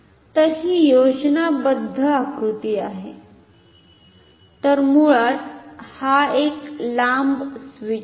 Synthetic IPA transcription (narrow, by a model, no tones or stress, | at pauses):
t̪əɦiːjod͡ʑnabəd̪ʱːəakɾut̪iːaɦe | t̪əɾmuɭat̪haeklambsʋi